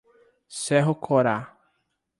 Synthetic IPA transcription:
sɛɦʊkʰɔɾa

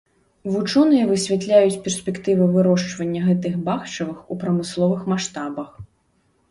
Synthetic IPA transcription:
vut͡ʂɔnɨjɐvɨsʲvʲat̪lʲajut͡sʲpʲɛrsʲpʲɛkt̪ɨvɨvɨɾɔʂt͡ʂvɐnʲːɐɣɛt̪ɨxbaxt͡ʂɐvɨxupɾɐmɨslˠɔvɨxmaʂt̪abɐx

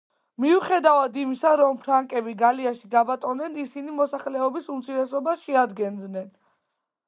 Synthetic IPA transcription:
miuχɛd̪avad̪imisaɾɔmpʰɾaŋkʼɛbiɡaliaʃiɡabat̪ʼɔnɛnisinimɔsaχlɛɔbisumt̪sʰiɾɛsɔbaʃɛad̪ɡɛnd̪nɛn

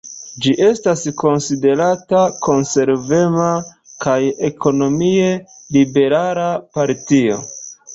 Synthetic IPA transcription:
d͡ʒiʔe̞stasko̞nside̞ɾatako̞nse̞ɾve̞ma | kajeko̞no̞mie̞ | libe̞ɾalapaɾtio̞̰

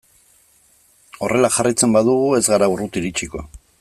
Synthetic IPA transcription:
o̞re̞laxarit͡se̞mbaðuɣue̞zɣaɾaurut̪iɾit͡ʃiko̞̰

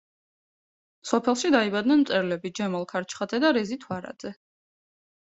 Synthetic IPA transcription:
sɔpʰɛlˠʃid̪aibad̪̚nɛnmt̪ʼɛɾlɛbid͡ʒɛmɔlˠkʰaɾt͡ʃʰχad̪zɛd̪aɾɛzit̪ʰwaɾa̰d̪z̥ɛ

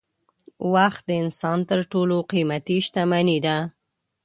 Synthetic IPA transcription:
waxt̪̚d̪əɪnsɑnt̪əɾʈoloqimat̪iʃt̪amanid̪a

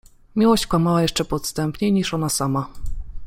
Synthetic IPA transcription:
mʲiwɔɕt͡ɕkwamawajɛʂt͡ʂɛpɔt̪st̪ɛmpɲejɲiʂɔnasama

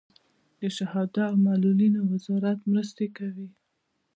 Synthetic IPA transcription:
d̪̥əʃahɑd̪aːwmalulinowɪzɑɾat̪mɾəst̪ekawi

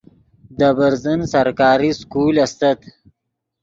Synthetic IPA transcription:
d̪əbaɾzənsaɾkɑːɾiskulast̪at̪

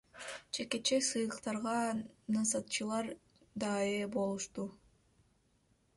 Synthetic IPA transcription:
t͡ʃʰe̞ke̞t͡ʃesɯjlˠɯqt̪ɑɾʁɑnɯnsɑt̪̚t͡ʃɯlˠɑɾ | d̪ɑebo̞lˠuʃt̪u

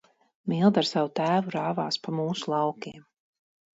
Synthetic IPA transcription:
milˠd̪aɾsavut̪æːvuɾaːvaːspamuːsulˠɑwkʲiɛm

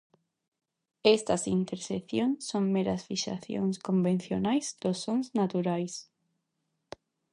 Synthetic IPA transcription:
est̪asint̪eɾseθjoŋsoŋmeɾasfiʃa̰θjo̰ŋskombẽn̟θjonajzd̪̥osːoŋznat̪uɾajs

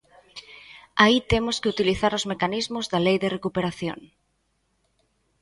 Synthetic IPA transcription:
ait̪emʊskɪut̪iliθaɾʊzmekanizmʊzðɐlejðɪrekupeɾaθjo̰ŋ

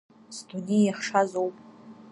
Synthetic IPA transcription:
sdunijaχʂazowpʼ

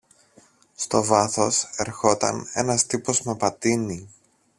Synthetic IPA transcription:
st̪o̞vɐθo̞se̞ɾxo̞t̪ɐ̰ne̞̰nɐst̪ipo̞zme̞pɐt̪ini

